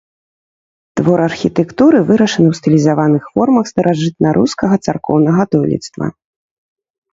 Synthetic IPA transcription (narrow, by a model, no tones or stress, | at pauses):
t̪vɔɾɐrxʲit̪ɛkt̪uɾɨvɨɾɐʂɐnɨwst̪ɨlʲizavanɨxfɔrmɐxst̪ɐɾaʐɨt̪̚nɐɾʔuskɐɣɐt̪sarkɔwnɐɣɐt̪ɔlʲḭt̪st̪vɐ̰